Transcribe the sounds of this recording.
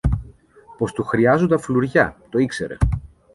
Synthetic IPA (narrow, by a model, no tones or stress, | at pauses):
po̞st̪uxɾiɐzund̪ɐfluɾʝɐt̪o̞ikseɾe̞̰